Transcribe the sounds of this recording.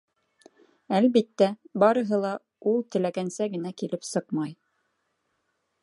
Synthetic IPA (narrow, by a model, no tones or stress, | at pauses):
ælβit̪ːæbɑɾɤ̆ɦɤlˠɑ | ulˠt̪ɘ̆læɡænsæɡɘ̆nækilɘpsɤqmɑj